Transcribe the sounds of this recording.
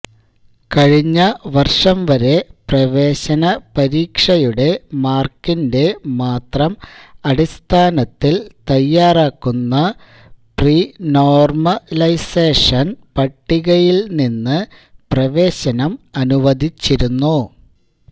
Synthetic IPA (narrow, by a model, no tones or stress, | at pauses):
kɐɻiɲːɐʋɐrʂɐmʋɐɾe̞prɐʋe̞ːɕɐnɐpɐɾiːkʂɐjuɽe̞maːrkːinde̞maːt̪rɐmɐɽist̪ʰaːnɐt̪ːilt̪ɐjːaːraːkːunːɐ | priːno̞ːrmɐlɐjseːʂɐnpɐʈːiɣɐjilninːɨ | prɐʋe̞ːɕɐnɐmɐnuʋɐd̪ʱit͡ɕːiɾunːu